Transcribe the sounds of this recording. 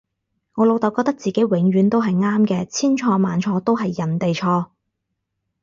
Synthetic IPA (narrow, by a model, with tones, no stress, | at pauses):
ŋɔː˨˧lo˨˧wt̪ɐ˨˧wkɔː˧t̪ɐ˥k̚t͡siː˨ke˨˥jwɪ˨˥ŋɥyː˨˥nt̪o˥wɦɐ˨jŋaː˥mkɛː˧t͡sʰiː˥nt͡ʃʰɔː˧maː˨˧nt͡ʃʰɔː˧t̪o˥wɦɐ˨jːɐ˨˩nt̪e˨jt͡ʃʰɔː˧